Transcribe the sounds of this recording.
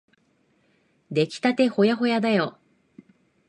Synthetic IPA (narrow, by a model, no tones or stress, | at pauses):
d̪e̞kʲi̥t̪at̪e̞ho̞jaɦo̞jad̪ajo